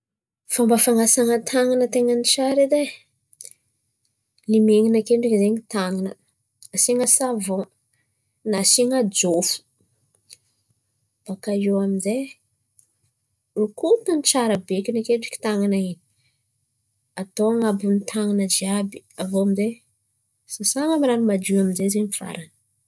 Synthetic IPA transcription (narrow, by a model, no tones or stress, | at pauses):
fambəfaŋasaŋət̪ʰaŋanət̪eŋənit͡ʃaɾede | limeŋinakeɳɖ͡ʐikizeɲit̪aŋanə | asiŋəsavo | nasiŋad͡ʒofu̥ | b̥akaewaminzej | ukut̪anit͡ʃaɾəbekinakeɳɖ͡ʐi̥ki̥t̪aŋanaini̥ | at̪oŋabunit̪ʰaŋanəd͡ʒiabi̥avowaminze | sasaŋəmiɾanimad͡ʒuaminzezeɲiv̥a̰ɾanə